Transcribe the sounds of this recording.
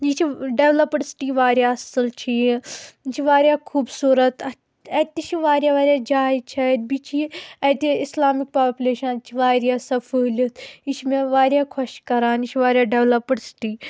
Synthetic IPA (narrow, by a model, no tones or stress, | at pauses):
d͡ʒit͡ʃʰiɖeʋlɐpɽsʈiːʋaːɾʲjaːɐsəlt͡ʃʰi | t͡ʃʰiʋaːɾʲjaːkʰuːbsuːɾɐt̪ɐ | ɐt̪it͡ʃiʋaːɾʲjaːʋaːɾjaːd͡ʒaːjt͡ʃʰɐt̪̚bit͡ʃʰiɐt̪iislaːmik̚paːpʲuleːʃɐnt͡ʃʰiʋaːɾjaːsɐfəːlʲɐt̪it͡ʃʰmeʋaːɾjaːkʰɐʃkɐɾaːnit͡ʃʰiʋaːɾjaːɖeʋlɐpɽsi̥ʈiː